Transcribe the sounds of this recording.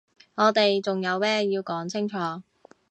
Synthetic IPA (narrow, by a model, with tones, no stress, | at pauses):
ŋɔː˨˧t̪e˨jt͡sʊ˨ŋjɐ˨˧wmɛː˥jiː˧wkɔː˨˥ŋt͡sʰɪ˥ŋt͡ʃʰɔː˨˥